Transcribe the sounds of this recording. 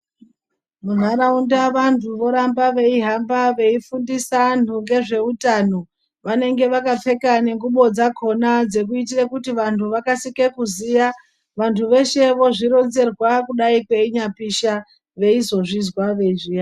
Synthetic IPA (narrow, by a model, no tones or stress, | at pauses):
mun̤aɾaundaʋantʰuʋo̞ɾambaʋe̞iɦambaʋe̞ifundisan̤uŋɡe̞ʐe̞utano | ʋane̞ŋɡe̞ʋakap͡fe̞kane̞ŋɡuɓo̞d͡zakʰo̞nad͡ze̞k̬uit̬irakutiʋantʰuʋakasikekuzija | ʋantʰuʋe̞ʃe̞ʋo̞ʐiɾo̞nd͡ze̞rwakuɗaikwe̞iɲapiʃa | ʋe̞izo̞ʐizwaʋe̞ʐija